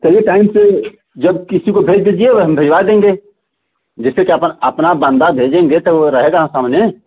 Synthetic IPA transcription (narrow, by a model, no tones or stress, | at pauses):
tɐjeʈaːɪmse | d͡ʒɐb̚kɪsikobʱeːd͡ʒd̪ed͡ʒieʋɐɦɐmbʱeːd͡ʒʋad̪ẽːŋɡe | d͡ʒɪslekiɐpnɐpnabə̃nd̪abʱeːd͡ʒẽːŋɡet̪ɐoɾɐɦeːɡasaːmne